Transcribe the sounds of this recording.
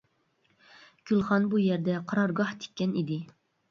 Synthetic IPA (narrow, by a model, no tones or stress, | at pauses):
ɡ̥ʲylˠχɑnbujɛɾd̪ɛqʰɑɾɑɾɡɑht̪ʰe̥kʲʰːɛnid̪ɪ